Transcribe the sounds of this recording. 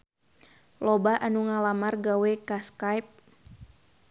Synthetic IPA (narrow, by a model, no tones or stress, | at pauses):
lɔbaʔanuŋalamarɡawɛkaskajp̚